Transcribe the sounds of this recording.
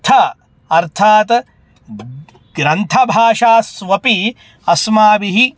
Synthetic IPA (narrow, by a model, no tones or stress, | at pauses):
t̪ʰɐ | ɐɾt̪ʰaːt̪ | ɡ̥ɾɐnt̪ʰɐbʱaːʂaːsʋɐpi | ɐsmaːbiɦi